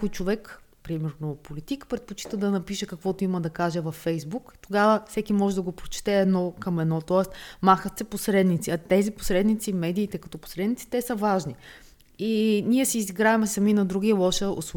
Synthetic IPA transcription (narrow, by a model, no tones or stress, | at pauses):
kʊjt͡ʃovɛk | pɾimɛɾnopolit̪ikpɾɛt̪̚pot͡ʃi̥t̪əd̪ɐnɐpiʃɛkɐkvɔt̪oiməd̪ɐkaʒɛvɐfːɛjzbukt̪oɡavəfsɛkimɔʒɛd̪ɐɡopɾot͡ʃɛ̥t̪ɛːd̪nɔkɐmɛd̪nɔt̪ɔɛst̪maxət̪sɛposɾɛd̪nit̪siɐt̪ɛzipo̥sɾɛd̪nit̪simɛd̪iːt̪ɛkɐ̥t̪ɔpo̥sɾɛd̪nit̪i̥t̪ɛsəvaʒni | inʲiɛsiːziɡɾaɛmɛsɐminɐd̪ɾuɡ̟iɛlˠɔʃəo̰sˠ